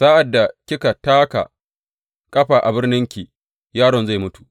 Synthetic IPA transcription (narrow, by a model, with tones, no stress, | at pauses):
saː˦ʔa˨dːa˨kʲɪ˦ka˨taː˦ka̰˨ | kʼɐ˦ɸaː˨ʔa˨bɪ˦rnɪ˦ŋkʲiː˨ | jaː˦ɽɔ˨nza˦˨jmʊ˦tu̥˨ʔ